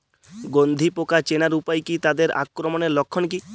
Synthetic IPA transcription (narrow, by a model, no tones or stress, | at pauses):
ɡond̪ʱipokat͡ʃenaɾupajkit̪ad̪eɾa̰kːɾɔmɔnelɔkʰːɔnk̬i